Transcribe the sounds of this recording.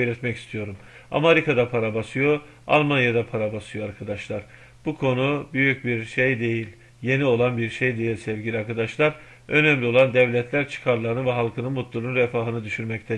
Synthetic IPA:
lʲɛt̪mɛcist̪ʰijo̞ɾum | a̰maɾikʰad̪apʰaɾabasɯjo̞ | a̰lˠmanjad̪apʰaɾabasɯjoaɾkʰad̪aʃlˠaɾ̥ | b̥ukʰo̞nubyjyc̚biɾʃejd̪e̞jilʲ | je̞nio̞lˠanbiɾʃejd̪e̞jilʲsɛvɟilʲiaɾkad̪aʃlˠaɾ | ø̞nɛmlʲio̞lˠand̪ɛvlʲɛt̪ʰlʲæɾt͡ʃʰɯ̥kʰaɾlˠaɾɯnɯvɛɦalˠkʰɯnɯnmut̪lˠuɾunɾɛfaːɦɯnɯd̪yʃyɾmɛct̪ʰɛ

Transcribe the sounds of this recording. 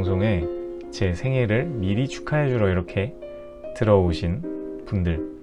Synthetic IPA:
ŋsʰoŋe̞ | t͡ɕe̞sʰe̞ŋɦeɾɯɭmiɾit͡ɕʰu̥kʰaɦed͡ʑuɾʌiɾʌkʰe̞ | tɯɾʌoɕʰinpundɯɭ

